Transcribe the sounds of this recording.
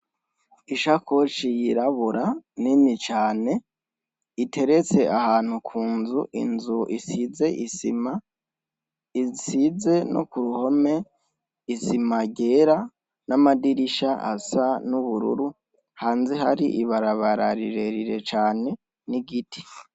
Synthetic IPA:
iʃakʰot͡ʃijiɾaβuɾanimit͡ʃaːne̞ | itʰe̞ɾet͡se̞ʔahaːn̥hukʰuːnzuʔḭnzuʔisize̞ʔisima | isize̞no̰kuɾuho̞me̞ | isimaɟe̞ːɾa | namadiɾiʃaʔa̰sanuβuɾṵɾu | haːnzeɦaɾiʔiβaɾaβaɾaɾḭɾe̞ɾiɾe̞t͡ʃaːne̞ | niɡitʰi̥

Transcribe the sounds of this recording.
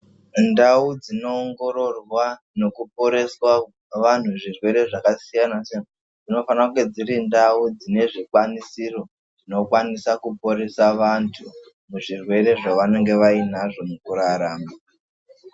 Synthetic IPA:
ndaud͡zino̞ːŋɡo̞ɾo̞rwa | no̞kupo̞ɾe̞swa | ʋan̤uʐirwe̞ɾe̞ʐakasijanasian | d͡zino̞fanakɡe̞d͡ziɾindaud͡zine̞ʐikwanisiro̞ | d͡zino̞kwanisakupo̞ɾe̞saʋantʰu | muʐirwe̞ɾe̞ʐaʋane̞ŋɡe̞ʋainaʐo̞mukuɾaɾaːma

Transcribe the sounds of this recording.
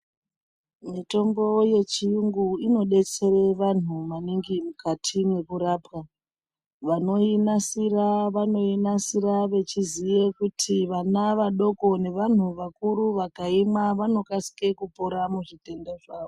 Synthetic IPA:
mito̞mbo̞je̞t͡ʃijuŋɡuino̞ɗe̞t͡se̞re̞ʋan̤umaniŋɡimukatʰimwe̞kuɾaːpwa | ʋano̞inasiraʋano̞inasiɾaʋe̞t͡ʃizije̞kutʰiʋanaʋaɗo̞ko̞ne̞ʋan̤uʋakuɾuʋakaimaʋano̞kasi̥ke̞kupoɾamuʐite̞ndeʐaːʋo

